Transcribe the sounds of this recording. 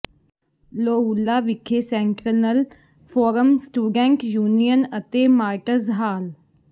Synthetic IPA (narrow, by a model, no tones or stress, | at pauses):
loːulːaːʋɪkʰːeːsɛ̃ɳʈɾənəl | fʰoːɾəmsʈuːɖɛ̃ːŋkjuːnijənət̪eːmaːʈəzɦaːl